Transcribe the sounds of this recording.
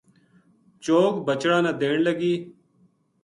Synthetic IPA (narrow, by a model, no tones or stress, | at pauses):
t͡ʃoːkbət͡ʃɽãːnãːd̪eːɳləɡiː